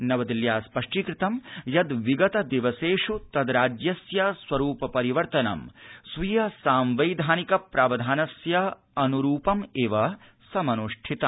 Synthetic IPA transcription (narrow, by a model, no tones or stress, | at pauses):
nɐʋɐd̪iljaːspɐʂʈikɾɪt̪ɐmjɐd̪ʋiɡɐt̪ɐd̪iʋɐseːʂut̪ɐd̪ɾaːd͡ʒjɐsjɐsʋɐɾuːpɐpɐɾiʋɐɾt̪ɐnɐ̰msʋijɐsaːmʋɐjd̪ʱaːnikɐpɾaːʋɐd̪ʱaːnɐsjɐ | ɐnuɾuːpɐmeːʋɐ | sɐmɐnuʂʈʰit̪ɐ